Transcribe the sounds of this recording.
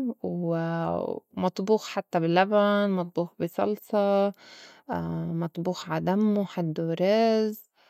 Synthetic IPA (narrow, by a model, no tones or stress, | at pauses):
w | mɑt̪ˤbuːxħat̪ːabɪlːabanmɑt̪ˤbuːxbɪsˤɑ̰lsˤɑ | mɑt̪ˤbuːxʕad̪amːuħad̪ːuɾɑz